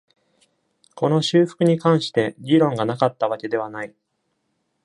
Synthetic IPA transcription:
ko̞no̞ɕɨːɸɯ̟̥kɯ̟ɲ̟ikãɰ̃ɕi̥t̪e̞ɡʲiɾõ̞ŋɡanakat̪ːaβ̞ake̞d̪e̞β̞anai

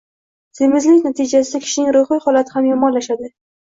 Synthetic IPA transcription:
z̥ɪmɪzlɪkʲnat̪ʰɪd͡ʒasɪd̪akʲʰɪ̥ʃɪnɪŋɾoχijhɒlat̪ʰɪhamjɒmɒnlaʃad̪ɪ

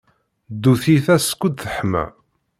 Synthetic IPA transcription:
d̪ːuθiθæskʷːəd̪θəħmæ̰

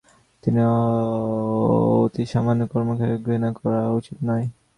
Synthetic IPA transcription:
t̪ini | ot̪iʃamanːjokɔɾmokʰajɡɾinakɔɾaut͡ɕit̪nɔj

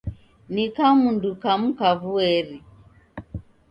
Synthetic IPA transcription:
nikamundukam̩kaβuɛɾi

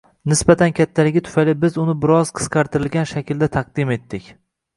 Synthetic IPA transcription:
nɪsbat̪ʰankʲʰat̪ʰːalɪɡʲɪt̪ʰʊ̥fajlɪbɪzʊnɪbɪɾɒzqʰɨ̥sqʰɑɾt̪ʰɪɾɪlɡʲanʃakʲɪld̪at̪ʰɑq̚d̪ɪme̞t̪ːɪkʲ

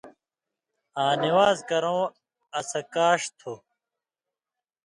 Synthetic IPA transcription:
ãːniwaːzkɐɾõː | ɐsɐkaːɕt̪ʰu

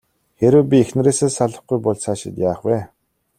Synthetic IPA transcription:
xeɾɘ̆wp̬ʲiexn̆ɾeːseːsaɮə̆χɡujpʊɮsaːʃɪ̰̆t̪jaːχwæː

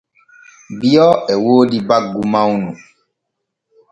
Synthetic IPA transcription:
biɔɛwoːdibaɡumãwnũ

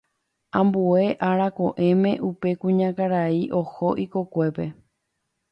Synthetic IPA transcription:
ãmbue̞ʔaɾakoʔẽ̞mẽ̞ʔupe̞kũɲãkaɾaiʔohoʔikokʷe̞pe̞

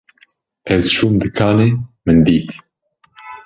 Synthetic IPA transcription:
ʔɛzt͡ʃuːmd̪ɨkʰaːneːmɨnd̪iːt̪

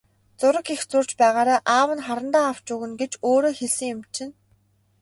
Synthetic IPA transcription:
t͡sʊɾə̆kixt͡sʊr̥t͡ɕpæːʁaːɾaːʔaːwə̆nχaɾə̆nt̪aːaw̥t͡ɕʊɣɘ̆nɡet͡ɕoːɾoːxeɮsɘ̆ŋjʊ̆mt͡ɕʰɪ̆n

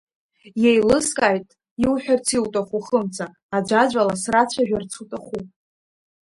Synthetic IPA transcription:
jejlɨskʼaːjtʼ | iwħᶣart͡sʰiwtʼaχuχəmt͡sʰʼaː | d͡ʒʷad͡ʒʷalasrat͡ɕʷʰaʒᶣart͡sʰutʼaχu

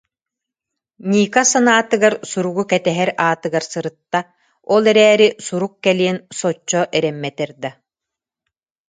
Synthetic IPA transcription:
ɲiːkasanaːt̪ɯɡaɾsuɾuɡukɛt̪ɛɦɛɾaːt̪ɯɡaɾsɯɾɯt̪ːa | ɔlˠɛɾɛːɾisuɾukːɛliɛnsɔt͡ɕːɔʔɛɾɛmːɛt̪ɛɾd̪a

